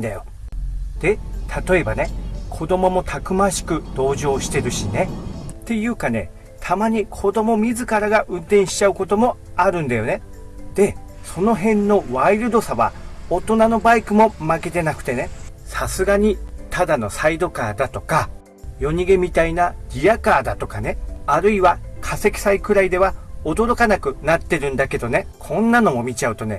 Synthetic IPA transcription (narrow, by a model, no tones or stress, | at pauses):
nd̪a̰jo | d̪̥e̞t̪ʰat̪o̞e̞bane̞kʰo̞d̪o̞mo̞mo̞t̪ʰakɯ̟maɕi̥kɯ̟d̪̥o̞ːʑo̞ːɕi̥t̪e̞ɾɯ̟ɕine̞t̪e̞jɯ̟ːkane̞̰ | t̪ʰamaɲ̟ikʰo̞d̪o̞mo̞mʲizɨkaɾaɡaʔɯ̟̃nt̪ẽɰ̃ɕi̥t͡ɕaɯ̟ko̞t̪o̞mo̞aɾɯ̟̃nd̪ajo̞ne̞ | d̪̥e̞ | so̞no̞ɦẽ̞nːo̞βaiɾɯ̟d̪o̞saβa̰o̞t̪o̞nano̞baikɯ̟mo̞make̞t̪e̞nakɯ̟̥t̪e̞ne̞sasɨɡaɲ̟it̪ʰad̪ano̞said̪o̞kaːd̪at̪o̞ka | jo̞ɲ̟iɡe̞mʲit̪ainadʲijakaːd̪at̪o̞kane̞aɾɯ̟iβakʰase̞kʲi̥saikɯ̟ɾaid̪e̞βao̞d̪o̞ɾo̞kanakɯ̟nat̪ːe̞ɾɯ̟̃nd̪ake̞d̪o̞ne̞kʰõ̞nːano̞mo̞mʲit͡ɕaɯ̟t̪o̞ne̞̰